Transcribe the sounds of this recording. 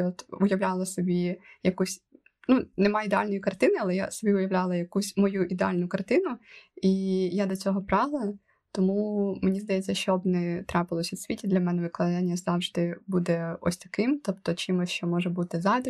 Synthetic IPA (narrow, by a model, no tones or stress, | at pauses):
ɔt̪ʊjɐwlʲalˠɐsɔbʲijɐkusʲ | nunɛmɑjid̪ealʲnɔjikɐrt̪ɪnɪɐlˠɛja̰sɔbʲiʊjɐʋlʲalˠɐjɐkusʲmɔjuʔid̪ealʲnʊkɐrt̪ɪnʊijad̪ɔt͡sʲɔɦɔpɾɑɦlˠɐ | t̪ɔmumenʲizd̪ɐjɛt͡sʲːɐʃt͡ʃɔbnɛt̪ɾɑpɪlˠɔsʲɐwsʲʋʲitʲid̪lʲɐmɛnɛʋɪklˠɐd̪ɑnʲːɐzɑwʒd̪ɪbud̪ɛɔ̰sʲt̪ɐkɪmt̪ɔpt̪ɔt͡ʃimɪʃt͡ʃɔmɔʒɛbut̪ɪzɑd̪ɪ